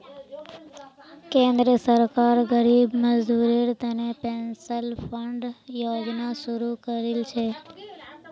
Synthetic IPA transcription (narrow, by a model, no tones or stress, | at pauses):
kẽnd̪ɾəsəɾkaɾɡəɾibməd͡ʒd̪uɾeɾt̪ənepensəlfəɳɖjod͡ʒnaʃuɾukəɾelt͡ʃʰe